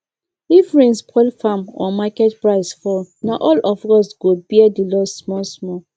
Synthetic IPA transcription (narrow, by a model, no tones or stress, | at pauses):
ifɹẽnspʰɔlfamɔ̰makɛtpɹaɪsfɔlnaʔɔlɔfɔsɡ̥obiɛdilɔssmɔsmɔ